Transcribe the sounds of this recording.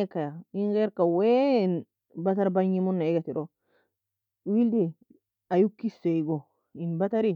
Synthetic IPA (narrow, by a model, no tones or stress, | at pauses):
ekːajainkeɾkawein | bataɾbaɲimunːaiɡatiɾo | wildi | ajukːiseiɡo | inbataɾi